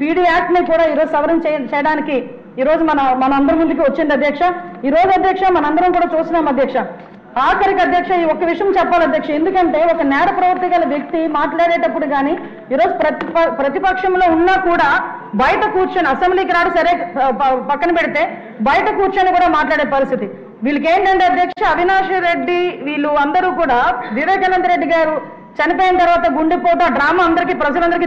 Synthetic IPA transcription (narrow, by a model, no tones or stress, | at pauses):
piːɽiːaːk̚ʈɐnikuːɽaːiːɾoːd͡ʒusɐʋɐɾɐmt͡ʃɛːjɐɽaːniki | iːɾo̞ːd͡ʒumɐnɐmɐnɐmɐnd̪ɐɾɐmund̪uk̬iʋɐt͡ʃːind̪iɐd̪ʱjɐkʂɐiːɾo̞ːd͡ʒuɐd̪ʱjɐkʂamɐnɐɐnd̪ɐɾɐmkuːɽaːt͡ʃuːsinaːmɐd̪jɐkʂɐ | aːkɐɾikɐd̪ʱjɐkʂɐiɔkːɐʋiʂɐjɐmt͡ʃɛpːaːlɐd̪ʱjɐkʂɐe̞nd̪ukɐɳʈe̞ːɔkɐnɛːɾɐpɾɐʋɐɾt̪iɡaːlɐʋjek̚t̪imaːʈlaːɽeːʈɐpːuɽuɡaːniː | ɾoːd͡ʒupɾɐt̪pɐpɾɐt̪ipɐkʂɐmlo̞ːunːaːkuːɽaː | bɐjɐʈɐkuːɾt͡ʃɐːniɐsembliːkɐɾaːɽisɐɾeːpɐkːɐnɐpeɽit̪e̞ː | bɐjɐʈɐkuːt͡ʃaːnikuːɽaːmaːʈlaːɽeːpɐɾist̪ʰit̪i | ʋiːɭɐk̬eːɳɖɐɳɖiɐd̪jɐkʂɐɐʋinaːʂɐɾe̞ɖːiʋiːɭːuɐnd̪ɐɾuːkuːɽaːʋiʋɛːkɐlɐnd̪ɐɾeɖːiɡaːɾu | t͡ʃɐnipoːjinɐt̪ɐɾuʋaːt̪ɐɡuɳɖipoːʈ̬aɖɾaːmaːɐnd̪ɐɾikiːpɾɐd͡ʒɐlɐnd̪ɐɾiki